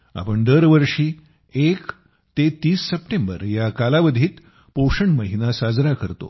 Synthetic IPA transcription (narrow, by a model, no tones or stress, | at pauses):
a̰pəɳd̪əɾʋəɾʂiː | ek | t̪et̪iːsːəpʈembə̰ɾjakalaʋəd̪ʱiːt̪ | poʂəɳməɦinasad͡zɾakəɾt̪o̰